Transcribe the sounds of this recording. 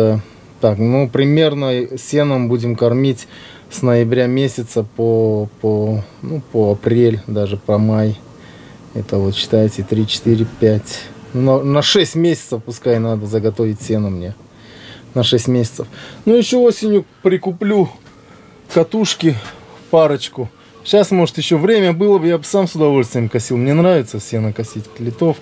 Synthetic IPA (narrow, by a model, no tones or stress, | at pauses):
a | t̪aknupɾʲɪmʲe̞rnəsʲenəmbudʲɪmkɐrmʲitʲ | snəjɪbɾʲamʲesʲɪt̪səpoponupəɐpɾʲelʲd̪aʐɨpɐmaj | ɛt̪əvo̞t̪ɕɪ̥t̪ajɪtʲɪt̪ɾʲit͡ɕɪ̥t̪iɾʲɪpʲætʲnunənɐʂɛsʲtʲmʲesʲɪ̥t̪səfpʊskajnad̪əzəɡɐt̪o̞vʲɪtʲsʲenəmnʲe | nɐʂɛsʲtʲmʲesʲɪt̪səfnujɪɕːoosʲɪnʲjʊpɾʲɪkʊplʲu | kɐt̪uʂkʲɪpaɾət͡ɕkʊ | ɕasmo̞ʐɨt̪jɪɕːovɾʲemʲəbɨlˠəbɨjabɨsamsʊd̪ɐvo̞lʲst̪vʲɪjəmkɐsʲilˠmnʲenɾavʲɪt̪səsʲe̞nəkɐsʲitʲlʲɪt̪o̞f